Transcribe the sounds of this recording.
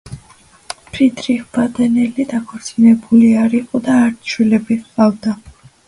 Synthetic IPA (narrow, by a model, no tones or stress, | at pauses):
pʰɾid̪ʰɾiχvad̪ɛnɛlid̪akʰɔɾt̪sʼinɛbuliaɾiqʼɔd̪aːɾt̪ʃwilɛbiχqʼavd̪a